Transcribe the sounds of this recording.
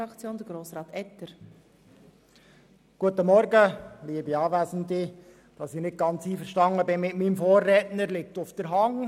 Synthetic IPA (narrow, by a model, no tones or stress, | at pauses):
ɑkt͡sjoːnd̪əɾɡɾoːsɾɑːt̪ɛt̪əɾ | ɡ̥uətəmɔɾɡəliːəbiɑːvæːsən̩dɪ | d̥ɑsɪχnɪt̚ɡ̥ɑnt͡siːfəɾʃtɑŋəbɪnmɪtmiːmfoːrːɛːtnəɾlɪk̚tʊfd̥̪əɾɦɑŋ